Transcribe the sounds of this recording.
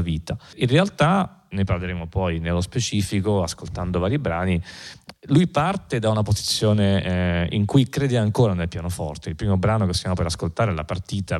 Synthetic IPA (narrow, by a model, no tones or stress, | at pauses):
viːt̪ainrealt̪aneparleɾeːmopɔjnelːospet͡ʃiːfikoaskolt̪and̪ovaːɾibɾaːni | lujpart̪ed̪aunapozit̪sːjoːneḭŋkujkɾeːd̪eaŋkoːɾanelpjaːnofɔ̰rt̪eilpɾiːmobɾaːnokesːjaːmopeɾaskolt̪aːɾela̰part̪iːt̪a